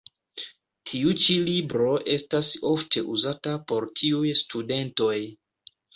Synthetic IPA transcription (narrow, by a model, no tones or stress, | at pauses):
tʰiut͡ʃilibɾo̞ʔe̞staso̞ftʰe̞ʔuzatapo̞ɾtʰiujstude̞nto̞j